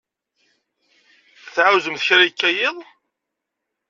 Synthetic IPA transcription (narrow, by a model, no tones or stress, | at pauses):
θʕauwzəmθçɾajkːæjɪðˤ